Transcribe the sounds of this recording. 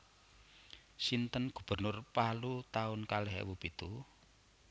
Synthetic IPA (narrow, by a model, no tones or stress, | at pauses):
sint̪ənɡ̥ṳb̥ə̤rnʊrpalut̪aʊnkalɛɦɛ̰wub̥it̪u